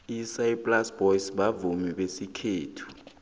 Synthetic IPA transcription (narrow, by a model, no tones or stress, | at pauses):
isaipʼlasb̥ɔjisɓavumiɓesikʰeːtʰu̥